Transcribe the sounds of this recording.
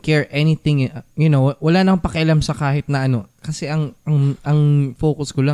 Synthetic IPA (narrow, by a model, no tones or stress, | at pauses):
kɛɹʔɛnit̪ɪ̃ŋjʊnowwɐlaːnɐŋpɐkɐʔɐlamsɐkaːhɪt̪̚nɐʔɐno̞kɐsɛʔɐŋɐŋʔɐŋfoːkʊskola